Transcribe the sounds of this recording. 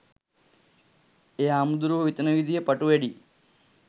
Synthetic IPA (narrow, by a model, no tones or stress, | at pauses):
eaːmud̪uɾuʋit̪ɐnɐʋid̪ʱijepɐʈuʋeɽi